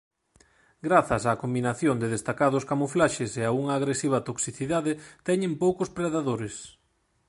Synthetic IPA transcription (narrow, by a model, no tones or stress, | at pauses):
ɡɾaθɐsaːkombinaθjond̪ɪðest̪akaðʊskamoflaʃeseauŋɐːɣɾesiβ̞ɐt̪oksiθiðaðɪt̪ɛɲẽmpowkʊspɾeðaðoɾes